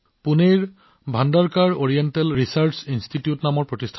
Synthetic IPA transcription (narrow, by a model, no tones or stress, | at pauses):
puneɹ | bʱandaɹkaɹoɹijɛntɛlɹisaɹsinstʰitiutnamɔɹpɹotistʰ